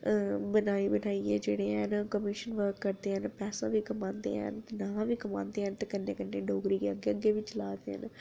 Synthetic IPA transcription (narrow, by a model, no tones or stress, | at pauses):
bənaːiːbənaːiːɛːd͡ʒeːɽeːɛnkəmiʃənʋəɾkːəɾd̪eːɦənpɛːsãːʋiːkəmãːnd̪ḛːɛ̰nt̪nãːʋiːkəmã̰ːnd̪eːɦənt̪eːkənːẽːkənːeːɖoːɡɾiːkeəɡːeːəɡːeːʋiːt͡ʃlaːd̪eːɦə̰n